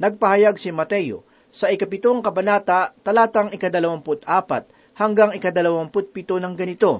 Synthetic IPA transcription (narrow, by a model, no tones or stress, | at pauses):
nɐɡ̚pɐhɐjaɡ̚sɪmɐt̪ɛjo̰ | sɐɪkɐpɪt̪oŋkɐbɐnaːt̪at̪ɐlaːt̪ɐŋɪkɐd̪ɐlɐwampʊt̪aːpɐ̰t̪̚ | hɐŋɡaŋɪkɐd̪ɐlɐwampʊt̪̚pɪt̪onɐŋɡɐnɪt̪o̞